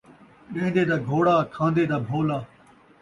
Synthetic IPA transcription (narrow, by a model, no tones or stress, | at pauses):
ɗẽːnd̪eːd̪aːɡʱoːɽaːkʰãːnd̪eːd̪aːbʱoːlaː